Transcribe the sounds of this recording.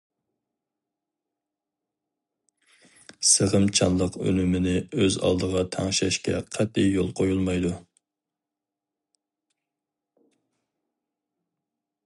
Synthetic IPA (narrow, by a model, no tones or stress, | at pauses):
səʁəmt͡ʃʰɑnlˠəqø̰lymɪnɪøzɑ̰lˠd̪əʁɑt̪ʰæŋʃɛʃkʲɛ̰qʰæt̪ːɪjolˠqʰojulˠmɑjd̪u